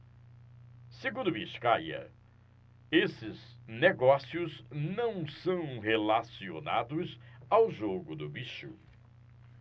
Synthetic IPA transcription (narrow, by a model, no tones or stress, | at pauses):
seɡũnd̪ʊbiʃkajɐ̰ | esɪzneɡɔsiʊznɐ̃w̃sɐ̃w̃helasiona̰d̪ʊzawʒoɡʊd̪ʊbiʃʊ̰